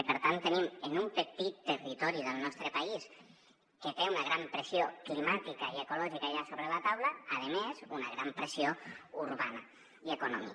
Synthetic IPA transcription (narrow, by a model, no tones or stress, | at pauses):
pəɾt̪ant̪ənimənumpət̪it̪ːərit̪ɔɾiðəlˠnɔst̪ɾəpais | ket̪eunəɣ̞ɾampɾəsioklimat̪ikaiekulɔʒikaʎasoβɾəlat̪awləːðəmezunəɣ̞ɾampɾəsiouɾβanə | iekunɔ̰mḭ